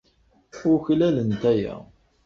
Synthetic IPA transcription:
ʊɾçlælənt̪æjæ̰

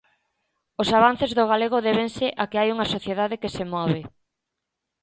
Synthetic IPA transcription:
osaβan̟θezðoɣ̞aleɣoðɛβeŋsɪʔakeajuŋasoθjeðaðekesemɔβe

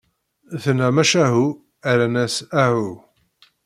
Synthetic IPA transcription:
θənæmæʃæɦu | æɾænæsæhu

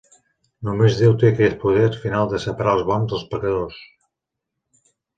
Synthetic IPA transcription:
numezðewt̪ekɛpuð̞eɾfinalˠd̪əsəpəɾaəlˠzβɔnzðəlˠspəkəðos

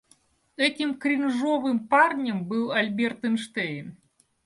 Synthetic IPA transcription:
ɛtʲimkɾʲinʐɔvɨmparnʲəmbɨlˠɐlʲbʲɛrt̪ɨnʂt̪ɛjn

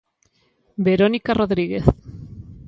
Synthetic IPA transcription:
beɾonikaroðɾiɣeθ

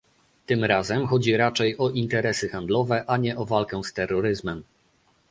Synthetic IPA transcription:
t̪ɘmɾazɛmxɔd͡ʑiɾat͡ʂɛjɔʔint̪ɛɾɛsɘxand̪lɔvɛʔaɲɛʔɔvalkɛ̃st̪ɛrːɔɾɘzmɛm

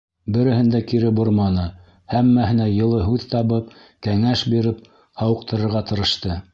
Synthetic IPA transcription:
bɘ̆ɾɘ̆hɘ̆nd̪ækiɾɘbuɾmɑnɤ | hæmːæhɘ̆næjɤ̆lˠɤɦʉðt̪ɑβɤp̚ | kæŋæʃbiɾɘp̚ | hɑwɤ̆q̚t̪ɤ̆ɾɤ̆ɾʁɑt̪ɤ̆ɾɤ̆ʃt̪ɤ

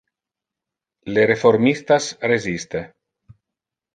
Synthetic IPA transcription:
lerefoɾmist̪asrezist̪e

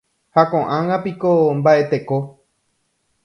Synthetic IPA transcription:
hakõʔãŋɡapikombaʔe̞t̪e̞ko

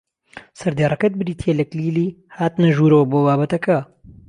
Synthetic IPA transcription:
sɐɾd̪aːrˤɐkɐt̪̚bɨɾiːt̪ʰjelɐkliːliː | haːt̪nɐʒuːɾɐwɐboːbaːbɐt̪ɐkɐ

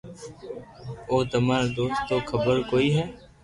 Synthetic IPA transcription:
oːt̪əmaːɾad̪oːst̪ːoːkʰəbəɾkoːiːɦɛː

